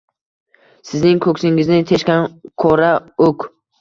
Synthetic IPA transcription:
sɪznɪŋkʰɵksɪŋɪznɪt̪ʰe̞ʃkʲankʰɒɾaokʰ

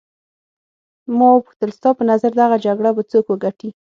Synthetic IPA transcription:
mɑwəpuxt̪əlst̪ɑpənazaɾd̪aɣad͡ʒaɡɽabat͡sokwəɡaʈi

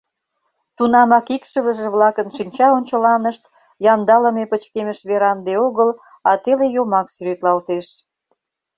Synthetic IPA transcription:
t̪unɑmɑkikʃəβə̆ʒĕβlɑkənʃinʲt͡ɕɑonʲt͡ɕə̆lɑnəʃt̪ | jɑnd̪ɑləmepət͡ɕkeməʃβeɾɑnd̪eoɣəl | ɑt̪elejomɑksyɾet̪lɑlt̪eʃ

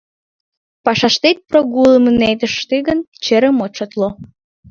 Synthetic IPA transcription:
pɑʃɑʃt̪et̪̚proɣuləməned̪əʃt̪eɣənt͡ɕeɾəmot͡ʃɑt̪lo

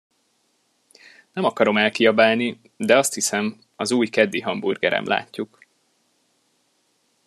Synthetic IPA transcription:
nɛmɒkɒɾo̞mɛlkiɒbaːlni | d̪ɛɒst̪hisɛm | ɒzuːjkɛd̪ːiɦɒmburɡɛ̰ɾɛ̰mlʔa̰ːcːuk

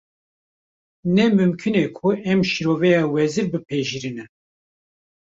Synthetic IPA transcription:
nɛmɨmkʰɨneːkʰuɛmʃiɾoːvɛjɑːwɛziɾbɨpʰeʒiɾinɛ

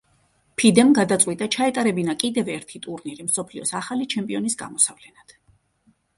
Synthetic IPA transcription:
pʰid̪ɛmɡad̪at̪sʼwit̪ʼat͡ʃʰaɛt̪ʼaɾɛbinakʼid̪ɛvɛɾt̪ʰit̪ʼuɾniɾimsɔpʰliɔsaχalit͡ʃʰɛmpʼiɔnisɡa̰mɔsavlɛnad̪̥

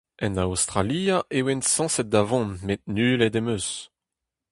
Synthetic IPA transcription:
ɛ̃nawst̪ʁalijaʔewensɑ̃sɛt̪̚d̪avɔ̃nmet̪̚nyːled̪emøs

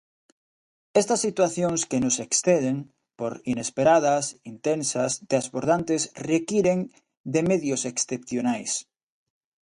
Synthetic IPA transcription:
est̪asːit̪waθjoŋskenʊseksθeðeŋ | poɾinespeɾað̞ɐsint̪ensasd̪azβoɾðant̪esrekiɾeŋ | d̪emeðjoseksθepθjonajs

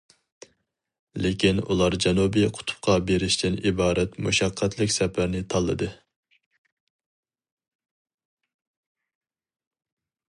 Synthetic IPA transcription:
lekʲinṵlˠɑɾd͡ʒɛnubijqʰʊ̥t̪ʰʊ̥pqʰɑbeɾɪʃt̪ɪnibɑːɾɛt̪muʃɑqʰːɛt̪ʰlɪkʲsɛpʰæɾnɪt̪ʰɑlˠːɨ̰d̪ɨ

